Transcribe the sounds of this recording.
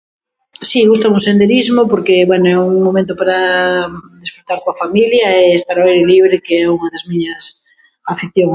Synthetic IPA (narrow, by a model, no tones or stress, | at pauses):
siɣust̪auŋsend̪eɾizmopoɾkeβwɛnoɛuŋmomẽnt̪̬opaɾa | d̪isfɾut̪aɾkoafamiljɐeːst̪aɾaejɾeliβ̞ɾɪkeɛuŋɐðɐzmiɲɐs | afiθjoŋ